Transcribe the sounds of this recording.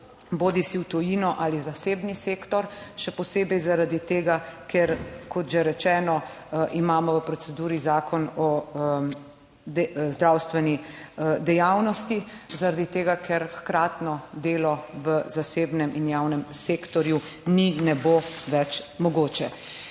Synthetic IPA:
boːd̪isiwt̪ɔjiːnɔʔalizaseːbniseːkt̪ɔɾʃɛpɔseːbɛjzaɾad̪it̪eːɡakʰɛɾkʰɔt̪ʒɛɾɛt͡ʃɛːnɔʔimaːmɔʋəpɾɔtsɛd̪uːɾizaːkʰɔnɔ | d̪ɛzd̪ɾawst̪ʋɛnid̪ɛjaːwnɔst̪izaɾad̪it̪eːɡakʰɛɾxkɾaːt̪nɔd̪eːlɔʋəzaseːbnɛmʔinjawnɛmseːkt̪ɔɾjuninɛboʋɛt͡ʃmɔɡoːt͡ʃɛ

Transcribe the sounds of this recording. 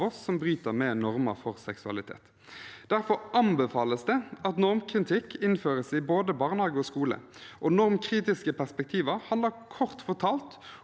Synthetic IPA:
ɔsːɔmbʁyːt̪əʁmɛːnɔʁmə̰ɾfɔʁsɛksʉɑ̰lɪt̪ʰḛːt̪ | d̪æʁfɔɾʔɑmbɛfɑːləsd̪ɛɑt̪nɔʁmkʰʁɪt̪ʰɪkːɪnføːʁəsɪboːd̪əbɑːʁnɑːɡəɔskuːlə̰ʔonɔʁmkʰʁiːt̪ɪskəpʰæʁspɛk̚t̪ʰiːʋəʁhɑnd̪ɑkʰɔʁt̪fɔt̪ʰɑːlt̪

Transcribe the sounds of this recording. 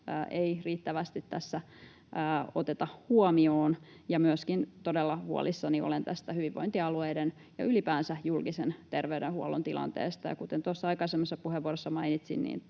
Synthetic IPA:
ʔeiriːt̪ːæʋæst̪it̪tæsːæ | ʔəːot̪et̪ɑhuɔmioːn | jɑmyøskint̪odelːɑʋuo̰lisːɑnio̰lent̪æst̪æhyʋiʋʋo̰int̪iɑlueiden | jɑ̰ʔylipæːnsæjulkisent̪erʋeydenhuolont̪ilʔɑ̰nt̪ḛːst̪ɑjɑ̰kut̪ent̪osːɑɑikɑsemːɑsːɑpuheʋːuoɾosːɑmɑinit̪sḭnnḭːn

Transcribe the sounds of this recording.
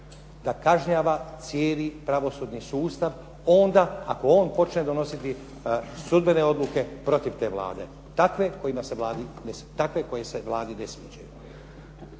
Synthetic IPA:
d̪akaʒɲaːʋat̪sjeːlipɾaʋo̞suːd̪ɲisuːst̪aʋ | o̞nd̪aa̰ko̞o̞ːnpo̞t͡ʃned̪o̞no̞sit̪i | sud̪bene̞o̞d̪luke̞pɾo̞t̪iʋt̪e̞ːʋlˠa̰ːd̪e̞̰ | t̪akʋe̞ko̞jimaseʋlaːd̪inest̪akʋe̞ko̞jeseʋlˠaːd̪inesʋḛːd͡ʒajṵ

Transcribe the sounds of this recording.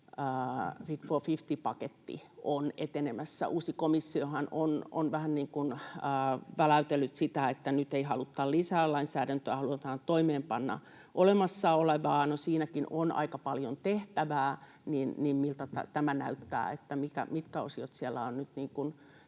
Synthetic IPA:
əːfit̪fofift̪ipɑket̪ːḭonḛt̪enemæsːæ̰ʔuːsikomisːiohɑnono̰nʋæhænniːŋkunəːʋælæyt̪elːyt̪sit̪æet̪ːænyt̪eihɑlut̪ːɑlisæːlɑinsæːɾænt̪øæhɑluɑt̪ɑːnt̪oimeːmpɑnːɑ̰ | ʔolemɑsːɑoleʋɑːnosiːnækino̰nʔɑ̰ikɑpɑljont̪eht̪æʋæː | ninnimmilt̪ɑt̪æ̰t̪æmænæyt̪ːæ̰ːḛt̪ːæmikæ̰mit̪kæo̰siot̪siælːˑæ̰onnyt̪niːŋkun

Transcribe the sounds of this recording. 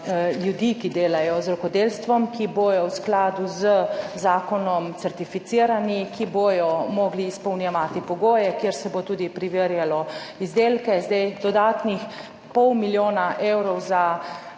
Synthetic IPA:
ljud̪ikid̪eːlajɔzɾɔkɔd̪eːlst̪ʋɔmkibojɔwsklaːd̪uzəzaːkɔnɔmt̪sɛɾt̪ifit̪siːɾanikiboːjɔmɔɡliːspɔwnjɛʋaːt̪ipɔɡoːjɛkjeɾsɛbot̪uːd̪ipɾiʋeɾjalɔ | izd̪eːlkɛzd̪ajd̪ɔd̪aːt̪nix | pɔwmiljoːnaʔewɾɔwza

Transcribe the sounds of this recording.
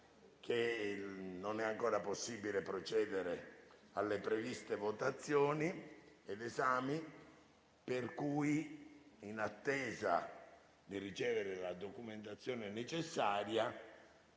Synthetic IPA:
k̟ʰe | nonɛaŋkɔːɾaposːibilepɾot͡ʃɛːd̪eɾe | alːepɾevist̪evot̪at̪sːjɔːni | ed̪ezaːmi | perkuːj | inat̪ːɛːza̰ | d̪irit͡ʃɛːveɾelad̪okument̪at̪sːjɔːnenet͡ʃesːaːɾja

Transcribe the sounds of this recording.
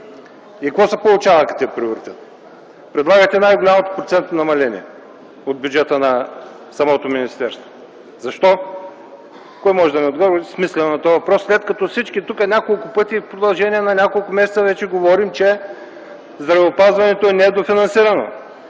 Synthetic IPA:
ikvɔsɐpolˠʊt͡ʃavəkɐ̥t̪ipɾioɾit̪ɛt̪ | pɾɛd̪lˠaɡɐjt̪ɛnajɡolʲamɐt̪o̥pɾot̪sɛnt̪nɐmɐlɛnʲḭɛ | od̪̚bʲjud͡ʒɛt̪ənɐ | sɐmɔt̪ominist̪ɛɾst̪vo̥ | zɐʃt̪ɔ | kɔjmɔʒɛd̪ɐnɛod̪ɡɔvismislʲɛnonɐt̪ɔɐvɐpɾɔsːlɛt̪kɐt̪ɔsit͡ʃkit̪ukɐnʲakolˠkʊpɤt̪ʲifpɾod̪ɐlˠʒɛniɛnɐnʲakolˠkʊmɛsɛt̪səvɛt͡ʃɛɡovɔɾimt͡ʃɛ | zd̪ɾɐvɛopazvɐnɛt̪oɛnɛd̪ofinɐnsiɾɐno̰

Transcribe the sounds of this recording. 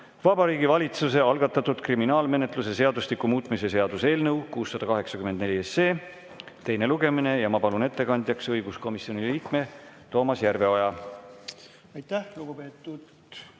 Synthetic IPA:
vɑbɑɾiːɡivɑlʲit̪sus̬e̞ɑlɡ̥ɑt̪ːˑɑt̪ud̪̥kriminɑːlme̞ne̞t̪ˑluse̞se̞ɑd̪uslikːumuːt̪ˑmise̞se̞ɑd̪̥use̞ːlnɤwkuːsːɑd̪̥ɑkɑɦe̞ksɑkymed̪ne̞liesːe̞ː | t̪e̞jne̞luɡ̥e̞mine̞jɑmɑpɑlune̞t̪ˑːe̞kɑnʲd̪̥ʲjɑksɤjɡ̥usko̞misio̞niliːkme̞t̪o̞ːmɑsjærve̞ojɑ | ɑjt̪ːæhluɡ̥upeːt̪ːˑud̪

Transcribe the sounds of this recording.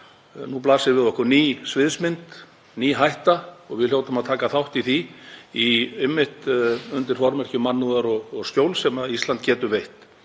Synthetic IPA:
nuplaːsɪɾvɪðɔhkʏniːsvɪðsmɪnt̪ | niːɦajht̪aɔɣvɪðljowt̪amaðt̪ʰaːkaθawht̪iθiiɪmːɪht̪ʏnt̪ɪɾ̥fɔɾmɛr̥cʏmanːuðaɾɔɣɔɣscjowlsɛmaðist̪lant̪̚cɛːt̪ʏɾvejht̪

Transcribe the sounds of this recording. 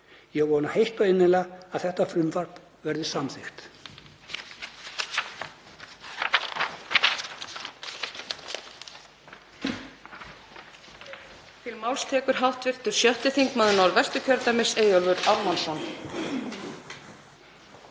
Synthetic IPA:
jɛɣvɔːnahejht̪aɪnːɪlaaðθɛht̪afɾʏmvar̥p | vɛɾðɪsamθɪxt̪ | t̪ʰɪlmawlst̪ʰɛːkʏɾ̥ɦawht̪vɪr̥t̪ʏɾ̥sjœht̪ɪθiŋkmaːðʏnawɾvɛst̪ʏcʰœɾt̪amɪseːjɔlvʏɾawmansan

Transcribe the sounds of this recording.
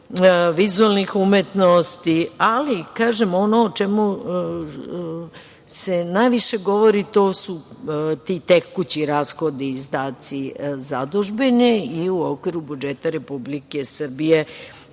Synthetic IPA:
ʋizualnixumet̪nost̪ialikaːʒemonoːt͡ʃemu | se̞najʋiʃe̞ɡo̞ʋoɾit̪oːsut̪it̪ekːut͡ɕiɾaːsxo̞d̪izd̪aːt̪sizad̪uʒbeniiuokʋiɾubud͡ʒet̪aɾe̞publikesr̩bije

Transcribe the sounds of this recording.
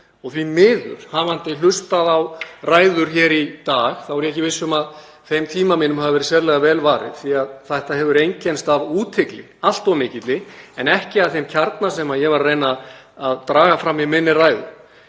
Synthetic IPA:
ɔɣθvimɪːðʏ̰ɾ̥havant̪ɪlʏst̪aðawraːjðʏɾ̥çɛːɾit̪aːɣθawvɛɾjɛhcɪvɪsːʏmað | θejmt̪ʰiːmaminʏmhavavɛːɾɪsɛɾlɛɣavɛːlvaːɾɪ̰ð̥θiaðθaht̪aɦɛvʏɾejɲcɛnst̪avuːt̪ʰɪklɪ | al̥t̪awmɪːcɪt̪lɪɛnɛhcɪaðθejmcʰaɾt̪nasɛmaðjɛɣvaɾrejna | aðt̪ɾaːɣafɾamːɛmɪnːɪraːjðʏ̰ɾ̥

